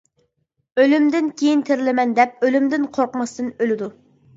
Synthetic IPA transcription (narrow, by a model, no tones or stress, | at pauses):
ølymd̪ɪnkʲʰejint̪ʰɪɾɪlɪmɛnd̪ɛp̚ølymd̪ɪnqʰoɾqmɑst̪ɨnølɪd̪u